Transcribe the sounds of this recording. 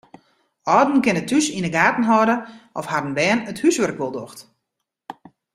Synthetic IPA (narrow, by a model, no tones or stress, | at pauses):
ɔːdn̩kɪnətʰysinəɡaːtn̩ɦɔdəʔɔfhadən̩ʋɛːnəthysʋørkʋolˠdo̰xt